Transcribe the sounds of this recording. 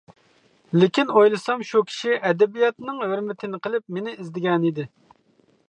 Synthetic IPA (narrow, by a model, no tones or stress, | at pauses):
lɪkʲinojlˠɨsɑmʃukʲʰi̥ʃiʔɛd̪ɛbijɑt̪nɨŋhøɾmɪt̪ʰɪnɪqʰəlˠɪp̚menɪizd̪ɪɡʲɛnid̪ɪ